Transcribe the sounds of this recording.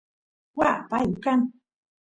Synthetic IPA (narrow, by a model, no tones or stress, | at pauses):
wapajʊkaŋ